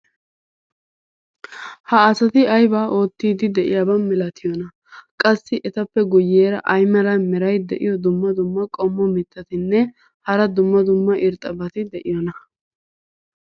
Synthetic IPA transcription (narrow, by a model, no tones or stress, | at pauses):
hɐːsɐt̪ɪɐjbaːʔo̞ːt̪ːiːd̪ɪd̪ɛʔɪ̰jabɐnmɛlɐt̪ɪjɔnɐ | kʼɐsːɪʔɛt̪ɐpːɛɡʊjːeːɾɐ̰ʔɐjmɐɾɐnmɛɾɐjd̪ɛʔɪ̰jɔd̪ʊmːɐd̪ʊmːɐkʼɔmːɔmɪt̪ːɐt̪ɪnːɛ | hɐɾɐd̪ʊmːɐd̪ʊmːɐʔɪɾt̪ʼːɐbɐt̪ɪd̪ɛʔɪjɔnɐ